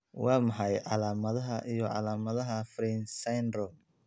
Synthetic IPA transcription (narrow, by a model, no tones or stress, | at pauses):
wɑːmɑħɑjʕɑ̰laːmɐðɐɦɐʔijɔʕɑ̰laːmɐðɐɦɐfɾiːnsajnɾɔl